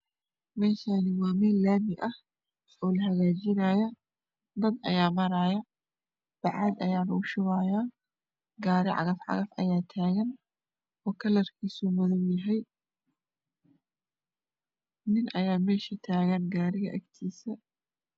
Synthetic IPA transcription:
mɛːʃaːnɪwaːmɛːlːaːmɪʔɐh | ɔːlɐɦɐɣaːt͡ʃɪnaːjɐ | d̪ɐd̪ɐ̰jaːmɐɾaːjɐ | b̥ɑʕɑːd̪ɐjaːnɐʊʃɪwaːjaː | ɡaːɾɪʕɑ̰ɣɐfʕɑ̰ɣɐfʔɐ̰jaːt̪ʰaːɣɐn | ɔːkʰɐlɐrkʰiːsumɐðɐwjɐɦɛj | nɪnʔɐjaːmɛːʃit̪ʰaːɣɐnɡaːɾɪɣɐʔɐ̰ɡt̪ʰiːsɐ

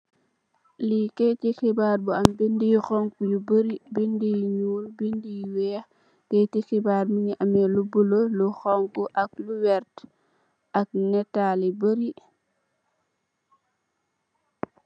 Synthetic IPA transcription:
liketixibaɾbuambindijxɔŋkujubəɾibindijɲuːlbindijwɛː | ketixibaːɾmiɲiʔamɛlubuloluxɔŋkuʔak̚luwɛɾt | ʔak̚nɛtalibəɾi

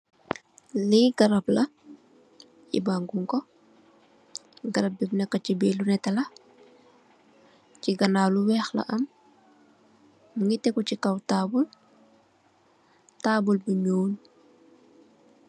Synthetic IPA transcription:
liɡɐɾɐplɐ | ḭbaŋɡuŋkɔ | ɡɐɾɐp̚bibnɛkːɐcibɛːlunɛtɐlɐ | ciɡɐnaːluwɛːxlɐ̰ʔɐm | ŋitːɛkucikɐwtaːbul | taːbulbiɲown

